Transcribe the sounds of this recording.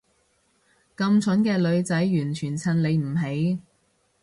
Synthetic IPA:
kɐ˧mt͡sʰɵ˨˥nkɛː˧lɵ˨˧ɥt͡sɐ˨˥jːyː˨˩nt͡ʃʰyː˨˩nt͡sʰɐ˨˩nle˨˧jm̩˨˩ɦe˨˥j

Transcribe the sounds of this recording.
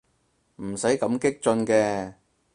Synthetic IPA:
m̩˨˩sɐ˨˥jkɐ˨˧˥mkɪ˥k̚t͡sɵ˧nkɛː˧

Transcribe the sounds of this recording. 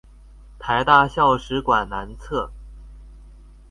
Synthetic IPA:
t̪ʰa˧˥ɪt̪a˥˧ɕjɑ˥˩ʊʂɻ̩˧˥kwa˨˩nna˧˥nt͡sʰɤ˥˩

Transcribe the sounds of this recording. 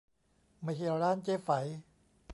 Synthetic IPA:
ma˧˩ke˧ɾaː˥˩˨nt͡ɕeː˦˥fa˩˦j

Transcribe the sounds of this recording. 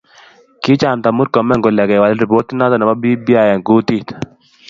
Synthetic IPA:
kɪ˦t͡ʃa˨mt̪a˨mu˦ɾkɔ˨mɛ˦ŋɡo˨lɛ˨kɛ˨wa˨lɾi˨po˦t̪na˦t̪ɔ˦nɛ˨ma˦bi˦bi˦a˨ja˨ŋɡu˦t̪i˦t̪

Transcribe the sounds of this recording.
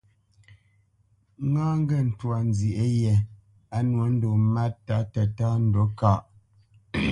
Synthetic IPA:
ŋaː˦ŋ˦ɡɛ˦˨n̩˨twa˨n˨zi˨ʔe˦jɛ˨ | a˨˦nwo˨˦n̩˦do˨ma˦ta˨˦ta˨ta˦n̩˦dɔ˨˦ka˦˨ʔ

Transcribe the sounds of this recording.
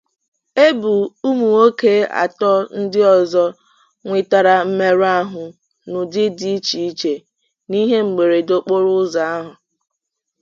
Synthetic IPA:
e˦bu˨u˦mu˨o˦ke˦a̰˨tɔ˦n̩˦dɪ˦ɔ˨zɔ˦ | ŋʷɪ˦ta˨ɾa˦˨m̩˦me˦ɾa˦ɦʊ˨ | nʊ˨dɪ˦di˦t͡ʃi˨i˦t͡ʃe˨ | ni˦ɦe˦ŋ͡m̩˨ɡ͡be˨ɾe˨do˨k͡po˦ɾʊ˦za˨a˦ɦʊ˨

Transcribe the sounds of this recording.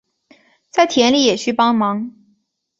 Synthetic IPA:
t͡sa˥˩ɪt̪ʰjɛ˧˥nli˥˩jɛ˨˩ɕy˥˧pɑ˥ŋmɑ˧˥ŋ

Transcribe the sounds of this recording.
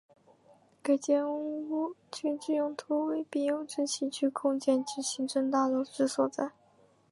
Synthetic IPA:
ka˨˩ɪt͡ɕjɛ˥nu˥u˥˩t͡ɕʰy˥˧t͡ɕy˥˩jʊ˥˩ŋt̪ʰu˥we˥ɪpi˨˩jʊ˥˩ŋʈ͡ʂɻ̩˥˩t͡ɕʰi˧˥t͡ɕʰy˥˧kʰʊ˥˧ŋt͡ɕjɛ˥˧nt͡ɕy˥˩ɕi˧˥ŋʈ͡ʂɤ˥˧ŋt̪a˥˧lɔ˥˧˩ʈ͡ʂɻ̩˥˩swɔ˨˩t͡sa˥˩ɪ

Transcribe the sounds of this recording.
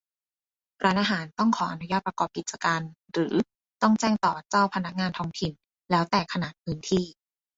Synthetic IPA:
ɾʔaː˧nʔaː˧ɦaː˩˦nt̪ɔ˥˩ŋkʰɔː˩˦ʔa˧˩nu˦˥jaː˥˩pɾa˧kɔː˨˩p̚ki˨˩t͡ɕa˧kaː˧n | ɾɯː˩˦ | t̪ɔ˥˩ŋt͡ɕɛː˥˩ŋt̪ɔː˨˩t͡ɕaː˥˩wpʰa˧na˦˥k̚ŋaː˧nt̪ʰɔː˦˥ŋt̪ʰi˨˩n | lɛː˦˥wt̪ɛː˨˩kʰa˧naː˨˩t̪̚pʰɯː˦˥nt̪ʰiː˥˩

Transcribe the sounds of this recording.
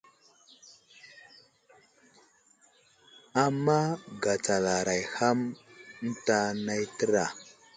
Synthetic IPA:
a˨mːa˦ɡa˨t͡sa˨la˨ɾa˨jha˦mn̩˦ta˦na˦jtə˦ɾa˨

